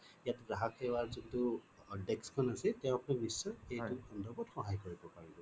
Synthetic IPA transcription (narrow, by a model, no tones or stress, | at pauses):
ijatzaɦakʰːɛwaɹzuntu | dɛkskʰɔnasɛtɛʊ̃apuniknisːɔejtukʰɔndɔbɔtxɔɦajkoɹibɔpaɹibɔ